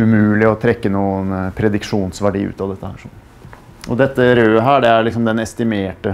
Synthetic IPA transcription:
ʉmʉːlɪɔt̪ʰɾɛkːənuːənpʰɾɛd̪ɪkʂuːnsʋæɖḭːʉ̰ːt̪ɑʋd̪ɛt̪ːəhæ̰ːɾʂɔnː | ɔd̪ɛt̪ːəɾøːəɦæːɖɛæɾlɪks̬ɔmd̪ɛnɛst̪ɪmeːʈə

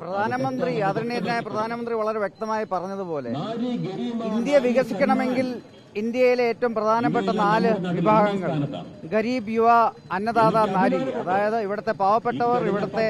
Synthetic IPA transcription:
prɐd̪ʱaːnɐmɐnd̪rijaːd̪ɾɐɳːeːɾinajprɐd̪ʱaːnɐmɐnd̪riʋɐɭɐɾe̞ʋjek̚t̪ɐmaːjipɐrɐɲːɐðupo̞ːle̞̰ | ind̪jɐʋiɣɐsikʲːɐɳɐme̞ŋɡil | ind̪jɐjileeːtːɐʋumprɐd̪ʱaːnɐp̬ːe̞ʈːɐnaːlɨʋibʱaːɡɐŋːɐɭɡɐɾiːbjuʋaɐnːɐðaːðanaːɾiðiɐðaːjɐðɨiʋiɽɐt̪ːe̞paːʋɐpːeʈːɐʋɐriʋiɽɐt̪ːe̞

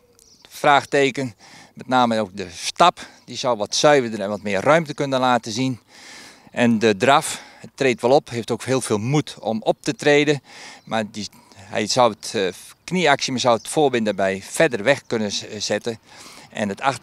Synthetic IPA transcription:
fraːxteːkən | mɛtnaːməoːk̚dəstapdizɔwʋɔtsœɥvədənɛnʋɔtmɪərrœɥmtəkønəlaːtəzin | ʔɛndədraf | ətreːtʋɛlˠopɦeːftoːkɦeːəlˠfeːlˠmutɔ̰mɔp̚tətreːdəmadi | ɛ̰jsɔwətkniaksimasɔwətfoːbɪndabɛjfɛdərʋɛxkønəz̥ɛtəʔɛ̰nətʰax

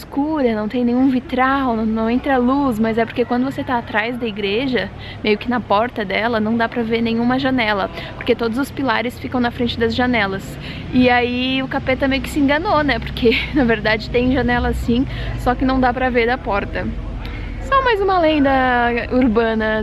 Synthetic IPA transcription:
skuɾɐnɐ̃w̃t̪ẽj̃nẽj̃ũvit̪ɾawnɐ̃w̃nɐ̃w̃ẽnt̪ɾalusmɐzɛpoɾkekwɐ̃nd̪ʊvoset̪aːt̪ɾajzd̪ɐiɡɾeʒɐ | mejʊkɪnɐpɔɾt̪ɐd̪ɛlɐnɐ̃w̃d̪apɾɐveɾnẽɲ̃ũmɐʒɐnɛlɐpoɾket̪od̪ʊzʊspilaɾɪsfikɐ̃w̃nɐfɾẽnt͡ʃɪd̪ɐzʒɐnɛlɐs | ɪaiʊkapet̪ɐmejʊkɪsɪẽŋɡɐnonɛpoɾkʰenɐveɾd̪ad͡ʒɪt̪ẽj̃ʒɐnɛlɐsĩsɔkɪnɐ̃w̃d̪apɾɐveɾd̪ɐpɔɾt̪ɐ | sɔ̃majzũmɐlẽnd̪ɐuɾbɐ̃nɐ

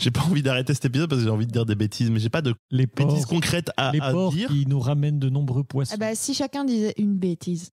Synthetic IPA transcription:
ʒ̥epaɑ̃vid̪aʁet̪esɛ̥t̪ep̬izɔd̪paskəʒeɑ̃vid̪əd̪iʁd̪ebet̪ʰizmɛʒepad̪əlepeɔizkɔ̃kχɛt̪aleɔʁd̪iʁinuʁamɛnd̪ənɔ̃bʁøpwasɛ̃bɛsiʃakʲɛ̃d̪izɛʔynbet̪ʰiz

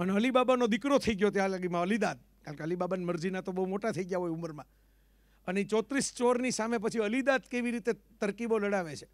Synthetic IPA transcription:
əneəlibabanod̪ikɾot̪ʰəiɡjot̪jalaɡimãəlid̪ad̪̚ | kaɾkeəlibabanməɾd͡ʒinat̪obəɦumoʈat̪ʰəiɡjaɦojuməɾmã | ənet͡ʃɔt̪ɾist͡ʃoɾnisamep̬ət͡ʃʰiəlid̪ad̪keʋiɾit̪et̪əɾkiboləɽaʋet͡ʃʰe̥

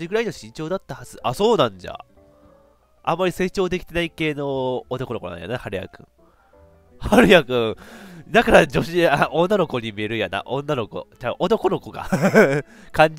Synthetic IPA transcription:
iɡɯ̟ɾaino̞ɕĩɲ̟t͡ɕo̞ːd̪at̪ːahaz̥ɨʔaso̞ːnãɲd͡ʑa̰ | ʔã̰mːaɾʲise̞ːt͡ɕo̞ːd̪e̞kʲi̥t̪e̞naike̞ːno̞ːt̪o̞konkonã̰ja̰nahaɾɯ̟ja̰kɯ̟̰̃ɴ | haɾɯ̟jakɯ̟̃ɰ̃d̪akaɾad͡ʑo̞ɕiaʔõ̞nːano̞ko̞ɲ̟imʲie̞ɾɯ̟jana̰ʔõ̞nːano̞ko̞̰t͡ɕaʔot̪o̞ko̞no̞ko̞ɡa̰ | kãɲ̟d͡ʑ

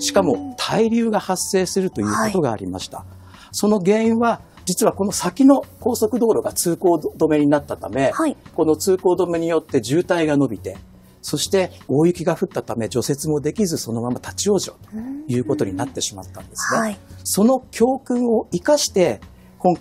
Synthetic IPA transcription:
ɕi̥kamo̞t̪ʰaiɾʲɨːɡahasːe̞ːsɨɾɯ̟t̪o̞jɯ̟ːko̞t̪o̞ɡaːɾʲima̰ɕi̥t̪a̰ | so̞no̞ɡẽ̞ɰ̃βa | d͡ʑit͡sɨβako̞no̞sakʲino̞ko̞ːso̞kɯ̟d̪o̞ːɾo̞ɡat͡sɨːko̞ːd̪o̞me̞ɲ̟inat̪ːat̪ame̞hako̞no̞t͡sɨːko̞ːd̪o̞me̞ɲ̟ijo̞t̪ːe̞ʑɨːt̪aiɡano̞bʲit̪e̞ | so̞ɕi̥t̪e̞o̞ːjɯkʲiɡaɸɯ̟t̪ːat̪ame̞d͡ʑo̞se̞t͡sɨmo̞d̪e̞kʲizɨso̞no̞mamat̪at͡ɕio̞ːʑo̞̰t̪o̥jɯ̟ːko̞t̪o̞ɲ̟inat̪ːe̞ɕima̰t̪ːãnd̪e̞sɨɡaso̞no̞kʲʰo̞ːkɯ̟̃ɰ̃o̞ikaɕi̥t̪e̞ | kõ̞ŋ

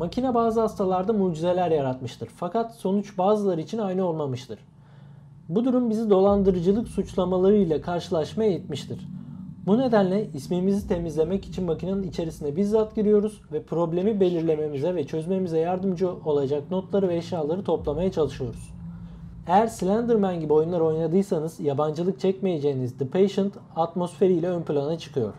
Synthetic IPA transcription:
macʰinabaːzɯhast̪ʰalˠaɾd̪amuːd͡ʒize̞lʲæɾjaɾat̪mɯʃt̪ʰɯɾfakat̪so̞nut͡ʃbaːzɯlˠaɾɯit͡ʃʰinajnɯo̞lˠmamɯʃt̪ʰɯɾ̥ | bud̪uɾumbizid̪o̞lˠand̪ɯɾɯd͡ʒɯlˠɯksut͡ʃlˠamalˠaɾɯjlʲɛkʰaɾʃɯlˠaʃmajejit̪miʃt̪ʰiɾ̥bune̞d̪ænlʲɛismimizit̪ʰe̞mizlʲe̞mɛci̥t͡ʃʰinmacʰinanɯnit͡ʃʰe̞ɾisinɛbiɾzat̪ɟiɾijo̞ɾuz̥vɛpʰɾo̞blʲe̞mibe̞lʲiɾlʲe̞me̞mizɛvɛt͡ʃʰø̞zme̞mizɛjaɾd̪ɯmd͡ʒɯo̞lˠad͡ʒakno̞t̪lˠaɾɯvɛːʃjaːlˠaɾɯt̪ʰo̞plˠamajat͡ʃʰalˠɯʃɯjo̞ɾuz̥ | ejæɾslʲænd̪ɯɾmænɟibio̞junlˠaɾo̞jnad̪ɯjsanɯz̥jaband͡ʒɯlˠɯk̚t͡ʃʰɛcme̞je̞d͡ʒe̞jnizd̪ɯpʰejʃɯnt̪ | at̪mo̞sfe̞ɾijlʲɛønplʲˠanat͡ʃʰɯ̥kʰɯjo̞̰ɾ̥

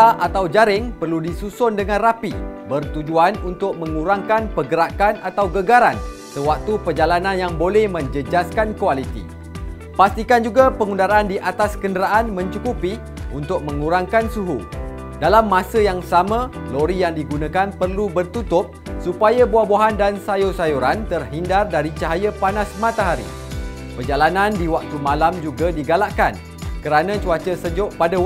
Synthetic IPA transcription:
aʔat̪awd͡ʒaɾɪŋpərludisusʊndəŋãnrapibərt̪ud͡ʒuanunt̪ʊk̚mə̃ŋuɾaŋkanpəɡəɾakanat̪awɡəɡaɾan | səwak̚t̪upərd͡ʒalanãnjaŋbolɛhmə̃ɲd͡ʒəd͡ʒaskankualit̪ḭ | past̪ikand͡ʒuɡapəŋundaɾaːndiʔat̪askəndəɾaʔanmə̃ɲt͡ʃukupi | unt̪ʊk̚mə̃ŋuɾaŋkansuɦu | dalamːãsəjaŋsamãloɾijaŋdiɡunãkanpərlubərt̪ut̪ʊp̚supajabuahboɦandansajusajuɾant̪ərɦindardaɾit͡ʃaɦajəpanasmãt̪aɦaɾḭ | pərd͡ʒalanãndiwak̚t̪umãlamd͡ʒuɡadiɡalaʔkan | kəɾanãt͡ʃuat͡ʃəsəd͡ʒʊʔpada

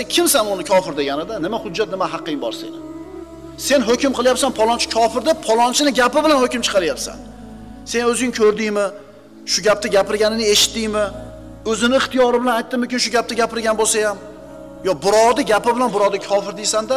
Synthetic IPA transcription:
ekʲʰɪmsanʊnɪkʲʰɒfɪɾd̪e̞ɡʲanɪd̪anɪmahʊd͡ʒːat̪̚nɪmaɦɑqʰːɪmbɒ̰ɾsḛnɪ | se̞nɦɵkʲɪmqɨlˠjapsanpʰɒlˠɒnt͡ʃʰɪ̥kʰɒfɪɾd̪apʰɒlˠɒnt͡ʃʰɪnɪɡʲapɪbɪlanhɵkʲɪmt͡ʃʰɨ̥qʰɑɾajapsa̰n | se̞nɵzɪŋkʰɵɾd̪ɪjmɪ | ʃʊɡʲap̚t̪aɡʲapɪɾɡʲanɪnɪe̞ʃɪ̥t̪ːɪjmɪ | ɵzɪnɪɪχt̪ijɒɾɪbɪlanajt̪ːɪmʊkʲɪnʃ̬ʊɡʲap̚t̪aɡʲapɪɾɡʲanbolˠsajam | jɒbʊɾɒd̪ɪɡʲapɪbɪlanbʊɾɒd̪ɪkʰɒfɪɾd̪ejsand̪a

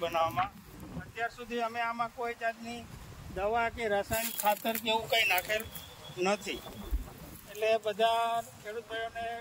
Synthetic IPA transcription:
bənaʋamã | ət̪jaɾsud̪ʱiəmẽamãkoid͡ʒad̪nid̪əʋakeɾəsanikʰːat̪əɾkeʋũkainakʰel | nət̪ʰi | eʈlebəd̪ʱakʰeɽut̪ɾəjone

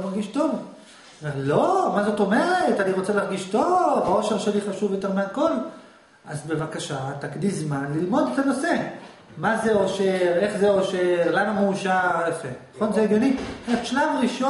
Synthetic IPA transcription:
maʁɡiʃto̞v | meʁlomazo̞t̪o̞me̞ʁetaniʁo̞t͡selaʁɡiʃto̞vao̞ʃe̞ʁʃeliχaʃuvjot̪e̞ʁmeako̞l | azbe̞vakaʃat̪akdizmanlilmo̞det̪ano̞se̞ | mazeo̞ʃeʁe̞χzeoʃeʁlanameuʃaʁefenaχo̞nzeeɡjoniʃlamʁiʃo

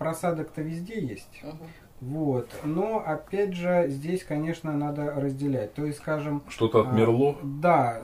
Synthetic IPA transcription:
pɾɐsad̪əkt̪əvʲɪzʲdʲejesʲtʲ | vot̪noɐpʲædʲʐɨzʲdʲesʲkɐnʲe̞ʂnənad̪əɾəzʲdʲɪlʲæt̚ʲt̪o̞ɪsʲskaʐɨmʂt̪o̞t̪əɐt̪mʲɪrlˠod̪a

